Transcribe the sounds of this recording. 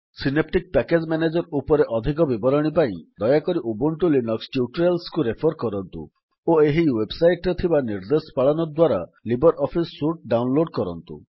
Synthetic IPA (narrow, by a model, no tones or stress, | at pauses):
sinep̚ʈik̚pɛked͡ʒmɛned͡ʒɔɾupɔɾeʔɔd̪ʱik̬ɔbibɔɾɔɽ̃ipaĩd̪ɔjakɔɾiʔubuɳʈulinɔksʈjuʈɾelskuɾepʰɔɾkɔɾɔnt̪ṵ | oeɦiwebsajʈɾet̪ʰibaniɾd̪espaɭɔnɔd̪waɾalibɔɾʔɔpʰisːuʈ̚ɖawnloɖkɔɾɔnt̪ṵ